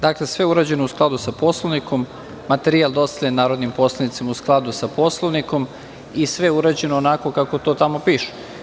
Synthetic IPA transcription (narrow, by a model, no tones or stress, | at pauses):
d̪akle̞sʋe̞uɾaːd͡ʑe̞nousklˠad̪usaposlˠoʋniko̞mː | at̪eɾialˠd̪o̞st̪aʎenaːɾod̪nimpo̞slˠanit̪semausklˠad̪usapo̞slˠoʋniko̞m | isʋe̞euɾaːd͡ʑe̞noːnako̞kako̞t̪o̞ːt̪amo̞piːʃe̥